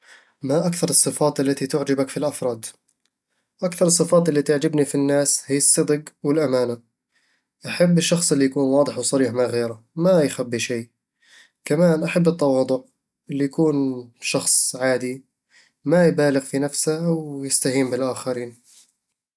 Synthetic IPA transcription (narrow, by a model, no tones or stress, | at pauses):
maʔakθɑɾˤɨsˤːɨfɑːt̪ˤʔalːat̪it̪ʊʕd͡ʒabakfilʔɑfɾˤɑːd̪ˤ | ʔakθɑɾˤɨsˤːɨfɑːt̪ˤʔɪlːit̪aʕd͡ʒabnifinːaːshijɑsˤːɨd̪ˤɨɡwɪlʔamaːna | ʔaħabːɪʃːɑxsˤɪlːijakuːnwɑːd̪ˤɨħwsˤɑɾiːħmaɣeːɾamajxabːiʃeː | kamaːnʔaħabːɨt̪ˤːɑwɑːd̪ˤʊʕ | ʔɪlːijakuːnʃɑxsˤʕaːd̪i | majbaːlɪɣfinafsaʔawjɪst̪ahiːmbɪlʔaːxaɾiːn